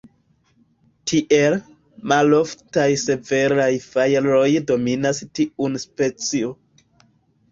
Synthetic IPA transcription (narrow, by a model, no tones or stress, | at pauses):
tʰiʔe̞l | malo̞ftajse̞ve̞ɾajfajɾo̞jdo̞minastiunspe̞t͡sio